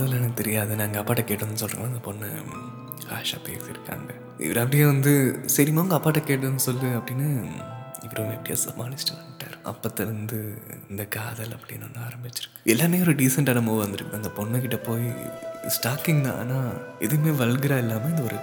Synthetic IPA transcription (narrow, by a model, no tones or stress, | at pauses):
ɐðɐlɐnt̪ɛɾɪjaːðɯnaːŋɡɐɐpːaːʈːɐkeːʈːnːɯs̬ɔlɾɯŋɡɐnːaːɪnd̪ɐpɔnːɐ̰ | ka̰ːʂa̰ːpḛːsɪɾɯkːa̰ːŋɡɐ | ʔɪ̰ʋɐɾɐp̬ːɐɽɪjeːʋɐnd̪ɯsɐɾɪmaːʋɐŋɡɐpːaːʈːɐkeːʈ̬ːnːɯsɔlːɯɐpːɐɽɪnːaː | ɪpːɐɾɐʋ̃ɛpːɐɽɪja̰ːsɐmːaːnɪsʈɐʋɐkɪʈːa̰ːɾɯʔɐ̰pːɐt̪ːɐɾɐnd̪ɯɪ̰nd̪ɐkaːðɐlɐpːɐɽɪinɐːnːaːɾɐmbɪt͡ʃːɪɾɯkːɯ̥ɛlːaːmeːɔɾɯɖiːsɐɳʈɐnɐmoʋʋɐnd̪ɯɾɯkːɐnd̪ɐpɔɳːɐkɪʈːɐpoːjisʈaːkɪŋd̪ã̰ːnaːɛðɯmeːʋɐɭɡɪɾaːɛlːaːmeːɪnd̪ɐɔɾɯ